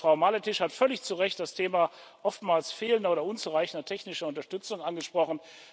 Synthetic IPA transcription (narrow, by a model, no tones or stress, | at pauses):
fʁ̥aʊmalətɪʃhatfœlɪçt͡suʁɛçt̚d̥astʰeːma | ʔɔftmaːlsfeːləndɐoːdɐʔʊnt͡suʁaɪçn̩dɐtʰɛçnɪʃɐʊntɐʃtʏt͡sʊŋʔanɡəʃpʁ̥ɔχn̩